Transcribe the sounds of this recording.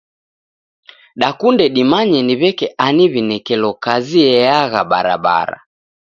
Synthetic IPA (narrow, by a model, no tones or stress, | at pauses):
ɗakundɛɗimaɲɛniβɛkɛʔaniβinɛkɛlɔkaziɛaɣaɓaɾa̰ɓa̰ɾa̰